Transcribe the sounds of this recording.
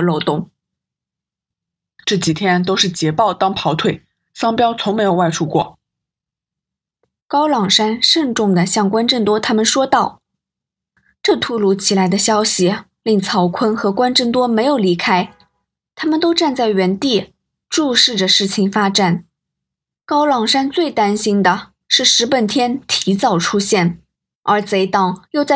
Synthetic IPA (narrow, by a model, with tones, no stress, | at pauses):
lo˥˧ʊt̪ʊ˥ŋ | ʈ͡ʂɤ˥˩t͡ɕi˨˩t̪ʰjɛ˥nt̪o˥ʊʂɻ̩˥˩t͡ɕjɛ˧˥pɑ˥˩ʊt̪ɑ˥ŋpʰɑ˧˥ʊt̪ʰwe˥˩ɪ | sɑ˥ŋpjɑ˥ʊt͡sʰʊ˧˥ŋme˧˥ɪjo˨˩ʊwa˥˩ɪʈ͡ʂʰu˥kwɔ̰˥˩ | kɑ˥ʊlɑ˨˩ŋʂa˥nʂə˥˧ŋʈ͡ʂʊ˥˩ŋd̪ə˩ɕjɑ˥˩ŋkwa˥nʈ͡ʂə˥˩nt̪wɔ˥t̪ʰa˥mə˨nʂwɔ˥t̪ɑ˥˩ʊ | ʈ͡ʂɤ˥˧t̪ʰu˧˥lu˧˥t͡ɕʰi˨˩la˧˥ɪd̪ə˧ɕjɑ˥ʊɕi˨ | li˥˩ŋt͡sʰɑ˧˥ʊkʰə˥nxɤ˧˥kwa˥nʈ͡ʂə˥˩nt̪wɔ˥me˧˥ɪjo˨˩ʊli˧˥kʰa˥ɪ | t̪ʰa˥mə˨nt̪o˥ʊʈ͡ʂa˥˧nt͡sa˥˩ɪɥɛ˧˥nt̪i˥˩ | ʈ͡ʂu˥˧ʂɻ̩˥˩ʈ͡ʂə˩ʂɻ̩˥˩t͡ɕʰi˨˩ŋfa˥ʈ͡ʂa˨˩n | kɑ˥ʊlɑ˨˩ŋʂa˥nt͡swe˥˩ɪt̪a˥nɕi˥nd̪ə˨ | ʂɻ̩˥˩ʂɻ̩˧˥pə˨˩nt̪ʰjɛ˥nt̪ʰi˧˥t͡sɑ˥˩ʊʈ͡ʂʰu˥ɕjɛ˥˩n | ə˞˧˥t͡se˧˥ɪt̪ɑ˨˩ŋjo˥˧ʊt͡sa˥˩